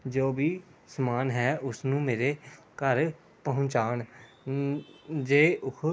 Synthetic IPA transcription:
d͡ʒoːbiː | səmaːnɦɛːʔʊsnũːmeːɾeː | kəɾ | pəɦʊ̃ɲt͡ʃaːn | d͡ʒeːʔʊkʰ

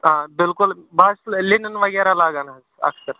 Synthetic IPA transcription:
ɦãbɪlkulbasllinənʋəɡaɾalaɡanaz | ə̰kʰsəɾ

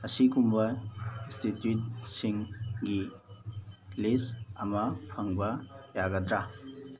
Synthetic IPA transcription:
ɐsikumbɐinstitjut̚siŋɡi | lisɐ̰mɐpʰaŋbɐjaɡadɾa

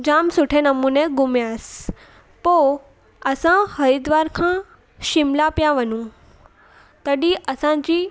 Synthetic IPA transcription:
d͡ʑaːmsʊʈʰenɐmũnẽɡʊmjas | poː | ɐsãhɐɾid̪ʋaːɾkʰãː | ʃɪmlapijaʋɐnũ | t̪ɐɗiʔɐsãd͡ʑi

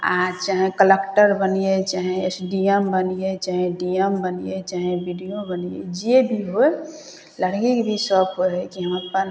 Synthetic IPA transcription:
a̰t͡ʃaːɦẽkəlekʈəɾbənijet͡ʃaɦẽesɖiəmbənijet͡ʃaːɦẽɖiəmbənijet͡ʃaːɦẽbiɖijobənijḛd͡ʒiebʱiɦoe | ləɽɡikbʱisɔbɦoɦekiɦəməpən

